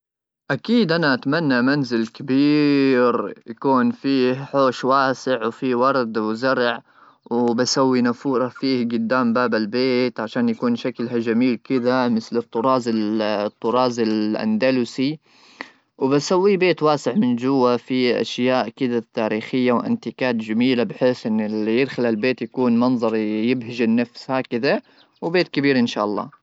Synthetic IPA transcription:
ʔakiːd̪ʔanaʔat̪manːamanzɪlkabiːɾjakuːnfiːhħoːʃwaːsɪʕwfiwɑɾˤd̪wzaɾˤʕ | wbasawːinafuːɾˤɑfiːhɡʊd̪ːaːmbaːbalbeːt̪ʕaʃaːnjakuːnʃaklɦad͡ʒamiːlkɪd̪amɪθlɪt̪ˤːʊɾˤɑːzɪt̪ˤːʊɾˤɑːzɪlʔa̰nd̪alusi | wbasawːibeːt̪waːsɪʕmɪnd͡ʒʊwːafiʔa̰ʃjaːʔkɪd̪at̪ːaːɾiːxɪjːawʔɪ̰nt̪ikaːt̪d͡ʒamiːlabɪħeːsʔɪnːɪljɪd̪xalalbeːt̪jakuːnmɑnðˤɑɾˤjɪbɦɪʒɪnːafshakɪd̪a | wbeːt̪kabiːɾʔɪnʃa̰ːʔɑlˤːɑ̰ː

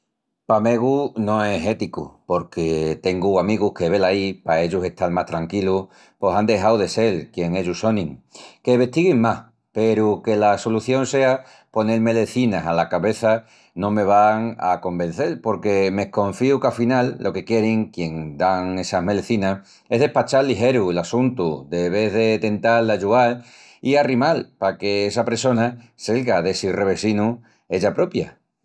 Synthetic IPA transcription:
pame̞ɣunõ̞eɦe̞t̪ikṵpo̞ɾke̞t̪e̞ŋɡuamiɣuhke̞βe̞laipae̞ʎuse̞ht̪ʰalmaht̪ɾaŋkilu | po̞sand̪e̞ɦawðe̞se̞lkje̞ŋe̞ʎuso̞nĩŋke̞βe̞ht̪iɣiŋmah | pe̞ɾuke̞laso̞luθjo̞ŋse̞a | po̞ne̞lme̞le̞θinasalakaβe̞θa | nõme̞β̞aŋa̰ko̞mbẽ̞n̟θe̞lpo̞ɾke̞me̞hko̞ɱfiukafinalːʔo̞ke̞kje̞ɾiŋkje̞ŋd̪aŋe̞saɦme̞leθinah | e̞ɦðe̞hpat͡ʃalːiɦe̞ɾuelasunt̪ude̞βe̞ðe̞t̪e̞nt̪ald̪aʝuɣal | iarimalpake̞esapɾeso̞na | selɣaðe̞sire̞βe̞sinu | e̞ʝapɾo̞pja̰

